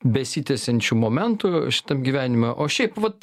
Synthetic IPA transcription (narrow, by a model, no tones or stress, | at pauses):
bʲɛsʲit̪ʲɛsʲɛnʲt͡ʃʲumoːmʲɛnt̪ʊʃʲɪ̥t̪ɐmɡʲiːʋʲæːnʲɪmɛʔoːʃʲɛɪpʋɐt̪